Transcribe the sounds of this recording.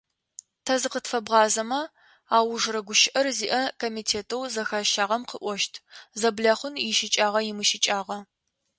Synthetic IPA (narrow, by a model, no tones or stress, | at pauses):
tʰɐzɨqətfɐbʁɑːzɐmɐ | aːwʊʐrɐɡʷʊʃɪʔɐrziːʔɐkʰomitʰeːtʰɐwzɐxaːʃaːʁɐmqʰəʔʷɔʃtʰzɐbɮaːχʷʊnjɪʃɪt͡ʃʼaːʁɐjɪmɨʃɪt͡ʃʼaːʁɐ